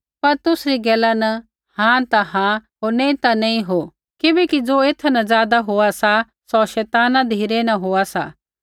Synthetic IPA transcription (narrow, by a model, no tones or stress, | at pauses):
pɐɾt̪ʊsɾiɡɛːlanɐ | hãt̪aɦãɦoːɾnẽːĩt̪anɐ̃ĩɦo | kɪbɛkid͡zoːeːt̪ʰnɐzjaːd̪aɦoasa | sɔʃɛːt̪aːnãd̪ʱiːɾenɐɦoasa̰ː